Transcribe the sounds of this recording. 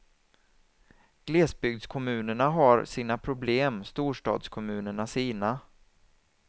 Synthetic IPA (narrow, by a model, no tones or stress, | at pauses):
ɡ̥leːsbʏɡ̚d̪skʰɔmʉ̟ːnəɳaɦaɾsiːnapʰɾʊbleːmst̪uːʂʈɑ̰ːd̪skʰɔmʉ̟ːnəɳasiːna